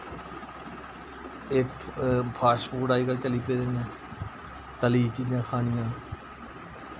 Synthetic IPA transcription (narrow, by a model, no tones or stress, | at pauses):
eː | pʰaːspuːɖaːiːkəɾt͡ʃəliːpeːd̪eːnɛ̃ː | t̪əliːt͡ʃiːjãːkʰaːnɪjãː